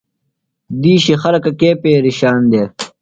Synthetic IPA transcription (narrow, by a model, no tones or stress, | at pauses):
d̪iːɕixɐlɐkɐkeːpeːɾiɕaːnd̪eː